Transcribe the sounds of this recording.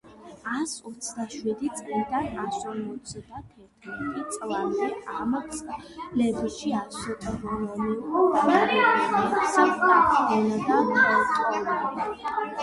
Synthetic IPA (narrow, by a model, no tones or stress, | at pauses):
asɔt̪sʰd̪aʃwid̪it̪sʼlid̪anasɔmɔt̪sd̪at̪ʰɛɾt̪ʰmɛt̪ʼit̪sʼlˠamd̪ɛamslɛbiʃiassɔt̪ʼɾɔmaniuqʼɔkʰnɛasaasɔnad̪anat̪ʼɔna